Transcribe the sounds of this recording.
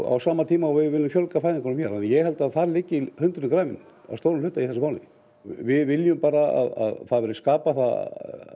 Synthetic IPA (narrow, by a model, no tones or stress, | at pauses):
a̰wsaːmat̪ʰiːmaɔwvɪðvɪlːʏmfjœlkafajðɪŋkʰɔnːmçɛɾanːjɛhɛlt̪aðfaːɾlɪcːɪhʏnt̪ɾʏnkɾaːjvɪn | a̰st̪oːwɾʏmlʏːt̪aiθɛsmaːwnɪ̰n | vɪðvɪljʏmpaːɾaa̰ða̰ðθaðvɛɾɪskaːpaθa̰